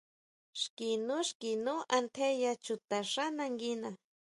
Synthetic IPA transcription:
ʃkinʊʃkinʊʔant̪ʰejat͡ʃʊt̪aʂanaŋɡina

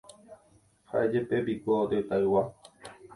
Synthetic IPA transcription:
haʔed͡ʒepebikʷoot̪et̪aɨwa

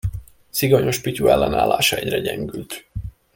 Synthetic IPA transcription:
siɡoɲo̞ʃpicuɛlːɛna̰ːlːaːʃɒɛɟrɛɟɛŋɡylt̪

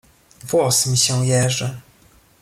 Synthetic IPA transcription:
vwɔsmʲiɕɛw̃jɛʐɛ

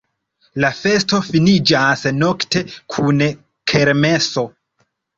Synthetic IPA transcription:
lafe̞sto̞finid͡ʒasno̞ktʰe̞kʰun | kʰeɾme̞so̞

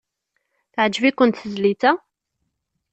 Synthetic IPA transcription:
θʕd͡ʒvikʷːənt̪θəzlit̪æ

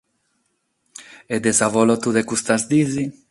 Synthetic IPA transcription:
ɛd̪ɛzavɔlɔt̪ud̪ekust̪azd̪izi

